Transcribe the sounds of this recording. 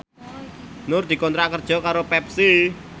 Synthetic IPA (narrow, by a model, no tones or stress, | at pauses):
nʊrd̪̥i̤kɔnt̪ɾaʔkərd̥ʒ̥ɔ̤kaɾopɛpsi